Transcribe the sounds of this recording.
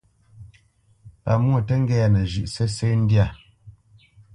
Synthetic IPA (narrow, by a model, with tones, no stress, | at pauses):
pa̰˨mu˦˨tə˦ŋ̩˦ɡɛ˦a˨nɛ˨ʒʉ˨ʔsɛ˦se˦n̩˦dja˦˨